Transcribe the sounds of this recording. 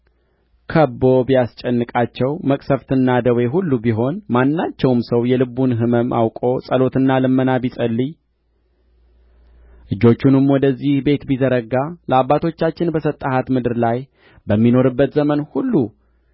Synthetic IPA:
kʰəbo̞bijast͡ʃʼɛnːɨkʼat͡ʃːɛwməkʼsəft̪ʰɨnːad̪əwe̞ɦulːubiɦo̞nmanːat͡ʃːɛwmsəwjɛlɨbunɦɨməmʔa̰wkʼo̞sʼəlo̞t̪ɨnːalɨmːənabit̪ʼəlːɨɲ | ʔɨd͡ʒːo̞t͡ʃːunɨmwɔd̪əzːihbe̞t̪bizəɾəɡaləabːat̪ʰo̞t͡ʃːat͡ʃːɪnbəsət̪ʼːahat̪mɨd̪ɨɾlaj | bəmːino̞ɾɨbːət̪zəmənhulːu

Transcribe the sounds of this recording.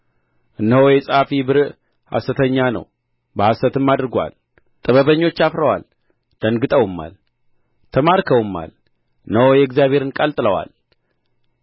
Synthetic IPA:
ʔɨnːəwojɛsʼafibɨɾɨʔ | ha̰sət̪ʰəɲːanə̰w | bəhasət̪ʰɨmːad̪ɾɡʷa̰l | t̪ʼɨβəβəɲːo̞t͡ʃːafɾəwa̰l | d̪̥ənɡɨt̪ʼəwɨmːa̰l | t̪ʰəmaɾkʰəwɨmːa̰l | ɨnːəwojɛɡzjaβʱe̞ɾɨnkʼəlt̪ʼɨləwa̰l

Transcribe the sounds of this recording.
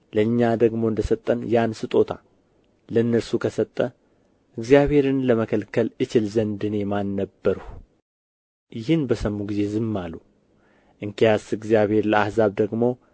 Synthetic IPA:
ləɲːad̪əɡmo̞ɨnd̪əsət̪ʼːənjansɨt̪ʼo̞t̪ʰa̰ | lənːəɾsukʰəsət̪ʼːə | ʔɨɡzijaβhe̞ɾɨnləməkʰəlkʰəlʔɨt͡ʃɪlzənd̪ɨnɛmanːəbːəɾh | jɪhɨnbəsəmːuɡize̞zɨmːalu | ʔɨŋkʰijasɨɡzijaβhe̞ɾləahzaβd̪əɡmo̞

